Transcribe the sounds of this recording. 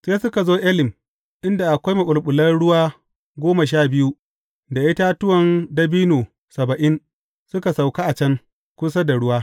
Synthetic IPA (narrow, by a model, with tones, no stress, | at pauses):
seː˦sʊ˦ka˨zoː˦ʔɛ˦lɪ˨m | ʔɪ˦nda˨ʔa˨kʷa˦jmɐ˨ɓʊ˨lɓʊ˨lɐ˦ɽʊ˦waː˦ | ɡʷoː˦ma˨ʃ̬aː˦˨bɪ˦ju˦ | da˨ʔɪ˦ta˦tʊ˦wɐ˨ndɐ˦biː˦noː˨ | sɐ˨bɐ˨ʔɪ˦n | sʊ˦ka˨sa˨wka˦ʔa˨t͡ʃɐ˦ŋ | kʷʊ˦s̬a˦da˨ɽʊ˦waː˦